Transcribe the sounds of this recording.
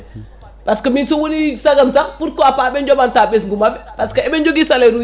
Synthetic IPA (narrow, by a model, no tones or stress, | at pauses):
paskaminsowunisaɡamsapuɾkoapaːbend͡ʒobantabesɡumabɛpaskaɛbend͡ʒoɡisaleɾu